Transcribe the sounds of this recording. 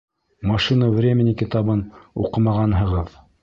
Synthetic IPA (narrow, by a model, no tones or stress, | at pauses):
mɑʃinəvrʲemʲɪnʲikʲit̪ɑbɤnṵqɤ̆mɑʁɑnɦɤ̆ʁɤð